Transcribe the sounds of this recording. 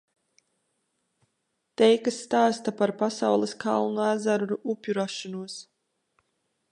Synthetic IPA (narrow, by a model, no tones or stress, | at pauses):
t̪ɛjkasːt̪aːst̪apaɾpasawlˠeskʰalˠnuæzaɾuɾuʔupʲjuɾaʃɔnuɔs